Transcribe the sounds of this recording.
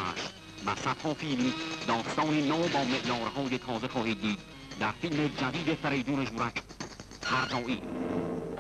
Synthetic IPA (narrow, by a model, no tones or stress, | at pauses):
ʃ | mæ̰sat̪hɒːfiːld̪ɒːst̪ɒːniːnɒːbɒːmeʔjɒːɾɦɒːjet̪ʰɒːzexɒːhiːd̪̚ːiːd̪̚ | d̪æɾfilmed͡ʒæd̪iːd̪efeɾejd̪uːneʒuːɾækʰ | hæɾd̪ɒːʔiː